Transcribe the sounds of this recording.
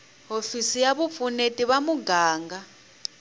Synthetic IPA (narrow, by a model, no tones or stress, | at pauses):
ɦofisijaβup̪funetʼiβamuɡaːŋɡa